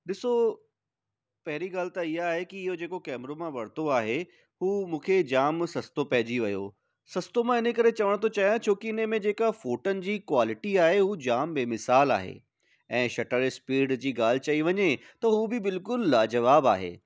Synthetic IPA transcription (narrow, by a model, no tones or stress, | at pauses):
ɗɪso | pɐɦɪɾiɡaːl̤ɪt̪aiɦaːɦekiɪɦod͡ʑeːkokɛːmɾomãʋɐɽ̤t̪oaːɦe | ɦuːmũːkʰed͡ʑaːmsɐst̪opɐɦɪd͡ʑiʋɐjo̰ː | sɐst̪omãɪnəkɐɾet͡ɕɐʋəɽ̃t̪ʰot͡ɕaːjãt͡ɕʰoːkiɪnəmẽd͡ʑeːkafoːʈənɪ̆d͡ʑiːkwaːlɪʈiaːɦeɦud͡ʑaːmbeːmɪsaːla̰ːɦḛː | ɛ̃ːʃɐʈəɾspiːɾɖd͡ʑiːɡaːl̤ɪt͡ɕɐiʋɐɲet̪ɐɦubɪbɪlkʊlad͡ʑɐʋaːba̰ːɦḛː